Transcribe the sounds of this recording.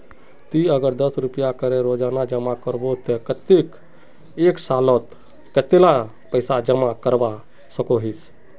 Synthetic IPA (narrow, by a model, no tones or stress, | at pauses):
t̪iəɡəɾd̪əsɾupəjakəɾeɾod͡ʒanad͡ʒəmakəɾbot̪əkət̪ik | eksalɔt̪ | kət̪ela | pəɪsad͡ʒəmakəɾba | səkoɦis